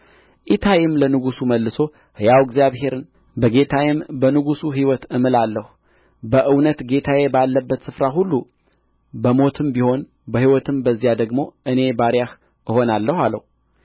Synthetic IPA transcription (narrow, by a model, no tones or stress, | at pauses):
ʔit̪ʰajɪmlənɨɡusuməlːɨso̞ | hɨjawɡzjaβɦe̞ɾɨn | bəɡe̞t̪ʰajɪmbənɨɡusuɦiwɔt̪ɨmɨlalːəhu | bəʔɨwnət̪ɡe̞t̪ʰajebalːəbːət̪sɨfɾaɦulːu | bəmo̞t̪ʰɨmbiho̞n | bəhiwɔt̪ʰɨmbəzːijad̪əɡmo̞ʔɨne̞baɾjah | ʔɨho̞nalːəhalə̰hu